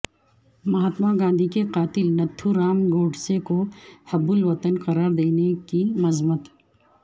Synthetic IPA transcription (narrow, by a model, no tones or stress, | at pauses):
mɐɦaːt̪maɡãːnd̪ʱikeqaːt̪ɪlnɐt̪ʰːuɾaːmɡoːɖsekohɐbːʊlʋɐt̪ənqɐɾaːɾd̪eːnekimɐzmət̪